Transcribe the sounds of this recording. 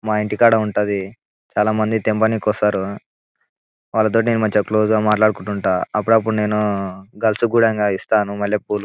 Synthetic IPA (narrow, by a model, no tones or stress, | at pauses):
maːiɳʈikaːɽɐuɳʈand̪i | t͡ʃaːlaːmɐnd̪it̪embɐnikɔsaːɾu | ʋaːlːɐt̪̬o̞ːʈineːnumɐɲt͡ʃɐkloːd͡ʒuɡaːmaːʈlaːɽukuɳʈuɳʈaːɐp̬ːuɽɐp̬ːuɽune̞ːnuɡɐlsuɡuːɽɐŋɡaːist̪aːnumɐlːɐp̚uːlu